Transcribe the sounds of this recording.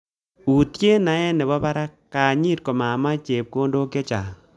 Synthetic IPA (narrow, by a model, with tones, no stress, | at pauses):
u˨tje˦na˨˦ɛ˦nɛ˨bɔ˦ba˦ɾa˦kːa˨ɲi˦t̚ko˨ma˨ma˦t͡ʃe˨p̚ko˦ndo˦ke˦t͡ʃa̰˨